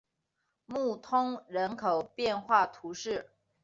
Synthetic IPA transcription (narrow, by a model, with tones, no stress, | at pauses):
mu˥˩t̪ʰʊ˥ŋɻə˧˥nkʰo˨˩ʊpjɛ˥˧nxwa˥˩t̪ʰu˧˥ʂɻ̩˥˩